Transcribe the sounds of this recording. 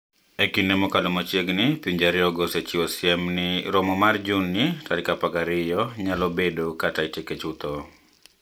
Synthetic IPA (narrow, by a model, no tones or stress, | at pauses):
ekinemɔkalomot͡ʃjeɡnɪpiɲd͡ʒaɾɪɔɡɔset͡ʃiɔsɪɛmnɪɾɔmɔmard͡ʒunːitalɪkapaɡaɾɪjɔɲalɔbedokataiteket͡ʃut̪ɔ